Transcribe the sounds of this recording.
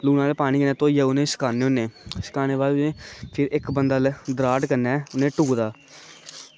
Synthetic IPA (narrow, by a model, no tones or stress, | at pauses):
luːnaːlpaːɽ̃iːkənɛ̃ːt̪oːiːɛːʊnẽːsə̥kaːneːonːẽːsə̥kaːneːʋaːlnẽːpʰɪɾɪkbənd̪aːld̪əɾaːʈkənɛːʊnẽːʈuːd̪aː